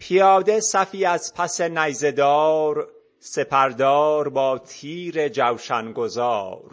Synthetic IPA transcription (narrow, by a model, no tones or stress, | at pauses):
pʰijɒːd̪e̞sæfiːæz̥pʰæse̞næjze̞d̪ɒːɾ | se̞pʰæɾd̪ɒːɾbɒːt̪ʰiːɾe̞d͡ʒæwʃænɡozɒːɾ